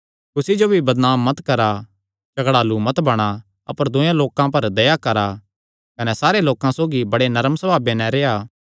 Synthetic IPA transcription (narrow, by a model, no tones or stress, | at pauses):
kʊsid͡ʒobʱibɐd̪naːmːɐt̪kɐɾa | t͡ʃɐɡɽaːlumɐt̪bɐɽ̃a | ɐ̰pəɾd̪ʊ̃jãloːkãpɐɾd̪ɐjakɐɾa | kɐnɛsaːɾeloːkãsoːɡibɐɽenɐɾəmsɐbʱaːbeːnɛ̃ɾeːaː